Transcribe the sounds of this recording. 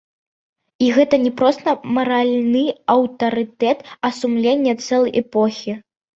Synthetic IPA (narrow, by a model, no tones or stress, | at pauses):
iɣɛt̪ɐnʲɛpɾɔst̪ɐmɐɾalʲnɨɐwt̪ɐɾɨt̪ɛt̪ɐsumlʲenʲːɛt̪sɛlˠɐjʔɛpɔxʲi